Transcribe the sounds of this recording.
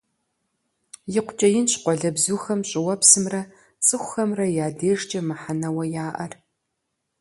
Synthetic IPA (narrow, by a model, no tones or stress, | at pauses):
jɪqʷʊt͡ʃʼɐjɪnɕqʷɔɮɐbzuːxɐmɕʼɪwɐpsɨmrɐ | t͡sʼɨxʷʊxɐmrɐjaːdeːʐt͡ʃʼɐmɨħanɐwɐjaːʔɐr